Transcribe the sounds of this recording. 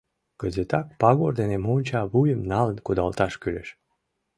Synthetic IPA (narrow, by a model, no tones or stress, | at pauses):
ɡ̥əzet̪ɑk̚pɑɣoɾd̪enemonʲt͡ɕɑβujəmnɑlənkud̪ɑlˠt̪ɑʃkylḛʃ